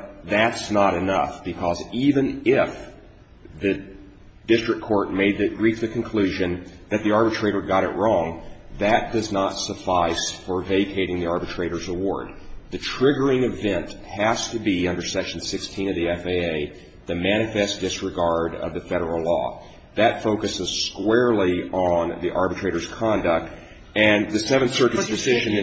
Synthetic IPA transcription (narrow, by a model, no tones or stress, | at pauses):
ðætsnəɾɨnʌfb̥ɨkʰʌzivɨ̃nɪf | ðɨ | dɪstɹ̥ɨkʰɔɹt̚meɪd̪̚ðɨɹifðɨkʰɨ̃n̩kʰl̥ʉʒɨ̃nðɨt̪̚ðiɑɹbɨtʰɹ̥eɪɾə˞ɡɑɾɨ̰ʔ̚ɹɔ̃ŋðɨt̚d̥ʌznətsəfaɪsfə˞veɪkʰeɪɾɪ̃ŋðiɑɹbɨtʰɹ̥eɪɾə˞zəwɔ̰ɹd̪̚ðɨtʰɹ̥ɪɡə˞ɪ̃ŋɨvɛ̃nt | hæz̥tɨbiʌ̃ndə˞sɛʃn̩sɪkstʰĩnʌvðiɛfeɪeɪ | ðɨmæñɨfɛs̚d̥ɪsɹɨɡɑɹɾʌ̰vðɨfɛɾə˞l̩ˠlɔ̰ | ðɨtfoʊkɨsɨz̥skwɛɹlˠiə̃nðiʔɑɹbɨtʰɹ̥eɪɾə˞z̥kʰɑ̃ndɨk̚t̚ | ɨ̃nðɨsɛvɨ̃nsɜ˞kɨsd̥ɨsɪʒɨ̃n